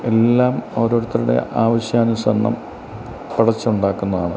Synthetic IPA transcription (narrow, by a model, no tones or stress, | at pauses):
e̞lːaːmoːɾoːɽut̪ːɐluɽe̞̰ʔaːʋɐɕjaːnɐsɐnːɐ̰m | piɽɐt͡ɕːuɳɖaːkːunːɐðaːɳɨ̰